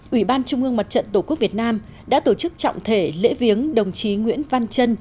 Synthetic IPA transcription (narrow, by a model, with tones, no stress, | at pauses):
ʔwi˧˩ɓaː˧nt͡ɕʊ˧ŋ͡mʔɨ˧əŋma˨˩t̚t͡ɕə̰˧˨nt̪o˧˩ku˦˥vi˨˩ət̚naː˧m | ɗa̰ː˧˥t̪o˧˩t͡ɕɨ˦˥k̚t͡ɕɔ̰˧˨wŋ͡mt̪ʰe˧˩lḛ˧˥vi˨˦əŋɗə˨˩wŋ͡mt͡ɕi˨˦ŋwḭ˧˥ənva˧nt͡ɕə˧n